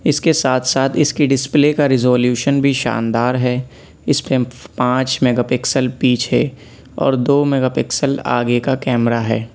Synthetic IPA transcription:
ɪskesaːt̪ʰsaːt̪ʰɪskiɖɪsplekaɾɪzoːljuːʃənbʱiʃa̰ːnd̪aːɾɦɛː | ɪspẽpãːt͡ʃmeɡapɪksəlpiːt͡ʃʰɦɛ | ɔ̰ːɾd̪oːmɛːɡaːpɪksəla̰ːɡekakɛːmɾaɦɛː

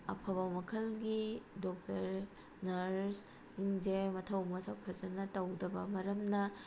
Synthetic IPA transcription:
ɐ̰pʰɐbɐmɐkʰɐlɡidok̚tɐɾ | nɐɾs | iŋd͡ʒemɐtʰɐwmɐsʰɐw̚pʰɐzɐnɐtɐwdɐbɐmɐɾɐmnɐ

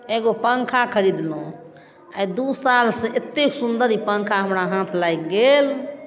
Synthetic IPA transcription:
eɡopəŋkʰakʰəɾid̪no | a̰jd̪usalsẽʔet̪ːeksund̪əɾipə̃ŋkʰaɦəmɾaɦãt̪ʰlajkɡel

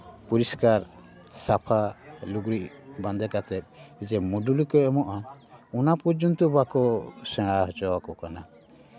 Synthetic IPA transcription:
puɾiskaɾ | sapʰaluɡɾiʔbãnd̪ɛkat̪ʰɛp̚id͡ʒɛmuɖulikɔɛmɔʔaunapɔɾd͡ʒɔnt̪ɔbakɔsɛ̃ɽaɦɔt͡ʃɔbakɔkana

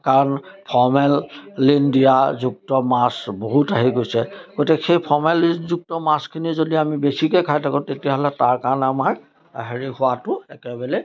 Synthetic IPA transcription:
kaɹnpʰɔmɛlːindijazuk̚tɔmasboɦutaɦiɡojsɛɡ̥otixʰejpʰɔmɛlinzuk̚tɔmaskʰinizodiamibesikɛkʰajtʰakɔ̃tetijaɦɔlɛtaɹkanamaɹ | ɦeɹihʊwatʊɛkɛbɛlɛ

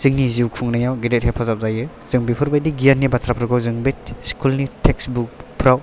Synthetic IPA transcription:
z̥ɯŋniziwkʰuŋnajawɡedet̚hepʰazap̚zajɯ | z̥ɯŋbipʰɯɾbajdiɡijanːibatʰɾapʰɾɡʰawzɯŋbetskʰulnitʰeksbuk̚pʰɾaw

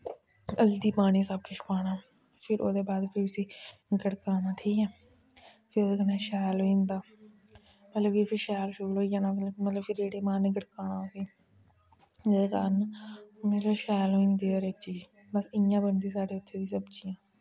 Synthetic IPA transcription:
əld̪iːpaːñiːsəb̚kɪʃʊ̥kaːnaː | pʰɪɾo̰ːd̪eːbaːd̪pʰɪɾʊsiːɡəɽkaːnaːʈʰiːkɛː | pʰɪɾoːd̪eːkənaːʃɛːloĩːnd̪aː | mət̪ləbiːpʰɪɾʃɛːlʃʊɾːlɦoːijãːnãːmələmət̪ləbpʰɪɾeːʈeːmaːniɡəɽkaːnaːosiː | d͡ʒeːdekaːnmət̪ləbʃɛːloːĩːnd̪eːoːɾet͡ʃiː | bəsɪjãːbənd̪iːsaːɖeːʊt̪ʰːeːd̪iːsəbt͡ʃijãː

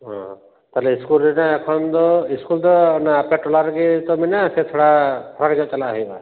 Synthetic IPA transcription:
ɦɔ̰̃ | t̪aleiskulinaekʰɔnd̪ɔiskuld̪ɔnaːpeʈɔlaɾɡit̪ɔminaset̪ʰɔɽap̪ʰɔɾakad͡ʒɔt͡ʃalaɦijba

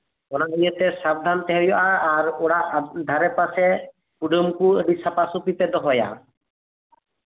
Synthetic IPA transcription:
ɔnaɦijɔt̪ɛsab̚d̪ʱant̪ɛɦɔjɔʔaːɾoɽad̪ʱaɾɛpasɛ | puɖomkueɖisapasupit̪ɛd̪ɔɦɔja̰

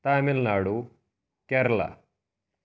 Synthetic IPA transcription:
t̪aːmilnaːɽu | keɾla̰

